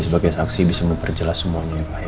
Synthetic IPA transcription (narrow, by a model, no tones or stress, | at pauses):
səbaɡajsaŋsibisaməmpərd͡ʒəlasːəmuaɲapa